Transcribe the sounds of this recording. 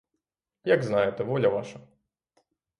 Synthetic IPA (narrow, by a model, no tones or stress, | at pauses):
jaɡznajɛt̪ɛvɔlʲɐʋaʂɐ